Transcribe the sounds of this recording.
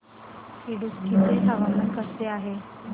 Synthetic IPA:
siɽuskit̪ʰeɦaʋəmənkəɾt̪eaɦe

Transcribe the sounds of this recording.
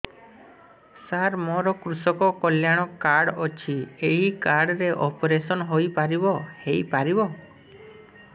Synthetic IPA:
saɾmɔɾɔkɾusɔkɔkɔljaɽ̃ɔkaɾɽɔt͡ʃʰieɦikaɾɽɾeʔɔpɾesɔnɔɦojpaɾibɔhejpaɾibɔ

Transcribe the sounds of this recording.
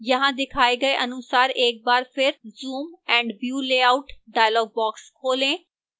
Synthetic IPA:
jəɦãːd̪ɪkʰaːeːɡəeʔənʊsaːɾeːk̚baːɾpʰɪɾzuːmɛ̃ːɳɖʋjuːleːaːʊʈɖaːjlɔːɡ̚bɔːkskʰoːlẽː

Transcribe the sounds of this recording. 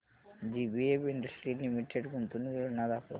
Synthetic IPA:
d͡ʒibiebiɳɖɐsʈɾilimiʈʰeɖɡunt̪unuʋenad̪apo̰

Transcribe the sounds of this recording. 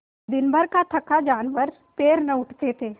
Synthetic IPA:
d̪ɪnbʱəɾkat̪ʰɐkad͡ʒaːnʋəɾ | peːɾnɐʊʈʰt̪et̪ʰeː

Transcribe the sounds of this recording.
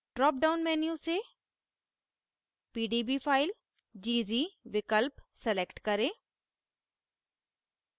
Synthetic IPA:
ɖɾɔːp̚ɖaːʊnmɛːnjũse | piːɖiːbiːpʰaːɪl | d͡ʒiːziːʋɪkəlpsɛlekʈkəɾẽː

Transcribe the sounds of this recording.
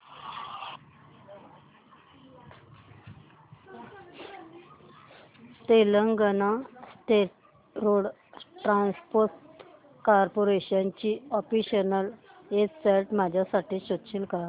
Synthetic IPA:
t̪eləŋɡənasʈeʈ̚ | ɾoɽ | ʈɾanspoɾt | kaɾpoɾeɕant͡ɕiːɔfiɕənəlet͡sseɾʈmad͡ʑʱjasaʈiːɕot̪ɕilka

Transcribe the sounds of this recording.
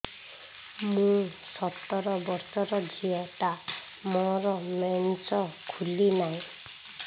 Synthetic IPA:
mũsɔt̪ɔɾɔbɔɾsɔɾɔdʱieʈa | mɔɾɔmensɔkʰulinaj̃

